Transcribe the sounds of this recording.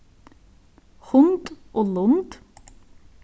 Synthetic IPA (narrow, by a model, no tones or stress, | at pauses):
hʊŋt̪ʔoːlʊŋt̪